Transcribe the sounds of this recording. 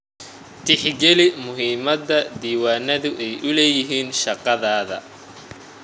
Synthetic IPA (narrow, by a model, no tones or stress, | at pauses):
t̪ʰɪħɡɛlɪmʊɦiːmɐd̪ɐd̪iːwaːnɐðʊʔɛjʊlɛːjɪɦiːnʃɑqɑðaːðɐ̰